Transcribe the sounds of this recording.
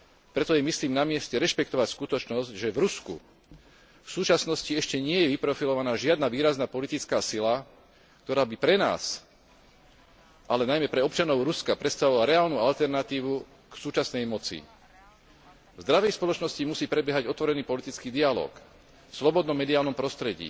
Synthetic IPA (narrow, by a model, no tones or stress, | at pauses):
pɾɛt̪ɔjɛmisliːmnamɪɛscɛɾɛʃpɛkt̪ɔʋacskut̪ɔt͡ʃnɔzɟʒɛvɾuskṵ | fsuːt͡ʃasnɔsciɛʃcɛɲɪɛjɛʋipɾɔfilɔʋanaːʒɪad̪naʋiːɾaznaːpɔlit̪it͡skaːsila | kt̪ɔɾaːbipɾɛna̰ːs | ʔalɛnajmɛpɾɛɔp̚t͡ʃanɔʊɾuskapɾɛt̪st̪aʋɔʋilaɾɛaːlnualt̪ɛɾnat̪iːʋu | ksuːt͡ʃasnɛjmɔt͡sḭ | vzd̪ɾaʋɛjspɔlɔt͡ʃnɔscimusiːpɾɛbjɛɦaɟɔt̪ʋɔɾɛniːpɔlit̪it͡skiːd̪ialɔ̰ːk | fslɔbɔd̪nɔmːɛd̪iaːlnɔmpɾɔst̪ɾɛɟḭː